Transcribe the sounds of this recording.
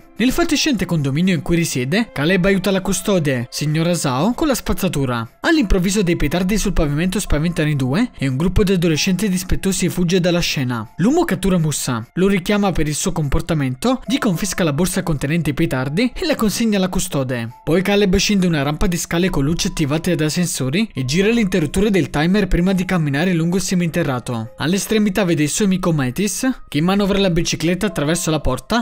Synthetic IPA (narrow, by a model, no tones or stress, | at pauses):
nelfat̪ːiʃːɛnt̪ekond̪ominjoiŋkujrisjɛːd̪ekalɛbajuːt̪alakust̪ɔːd̪esiɲːoːɾazaːokolaspat̪sːat̪uːɾa̰alːimpɾovːiːzod̪ejpet̪ard̪isulpavimɛnt̪ospavent̪anid̪uːeeuŋɡɾupːod̪iad̪oleʃːɛnt̪id̪ispet̪ːoːsifud͡ʒːed̪alːaʃːɛːna̰luːmokat̪ːuːɾamusːa̰lʊrik̟jaːmapeɾilsuːokomport̪amɛnt̪oʎikoɱfiskalaborsakont̪enɛnt̪eput̪ard̪ielakonsiɲːalakust̪ɔːd̪epɔjkalebʃind̪eunaɾampad̪iskaːlekolːut͡ʃeat̪ːivaːt̪ead̪asensoːɾied͡ʒiːɾalint̪erːut̪ːuːɾed̪elt̪ajmɛrpɾiːmad̪ikamːinaːɾeluŋɡoilsemint̪erːaːt̪o̰a̰lːest̪ɾemit̪aveːd̪eilsuːamiːkomɛːt̪iskeimːanɔvɾalabit͡ʃiklet̪ːaːt̪ːɾavɛrsolapɔrt̪a